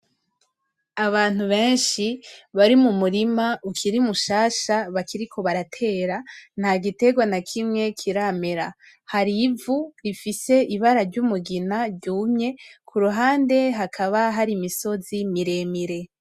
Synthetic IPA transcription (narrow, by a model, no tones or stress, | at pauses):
aβaːn̥uβe̞ːnʃiβaɾimumuɾimaʔukʰiɾimuʃaːʃaβakiɾikʰo̞βaɾatʰe̞ɾan̥haɡite̞ɡwanakʰimŋe̞kʰiɾameɾa | haɾivuɾifise̞ʔiβaɾaɾɟumuɡinaɟuːmɲe̞kʰuɾuɦaːnde̞ɦakʰaβaɦaɾimiso̞zimiɾe̞miɾe̞